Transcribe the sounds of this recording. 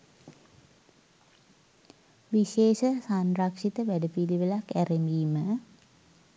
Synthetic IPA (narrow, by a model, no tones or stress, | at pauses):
ʋiʃeːʃəsanrakʂit̪əʋæɖəpiliʋəlakːæremiːmə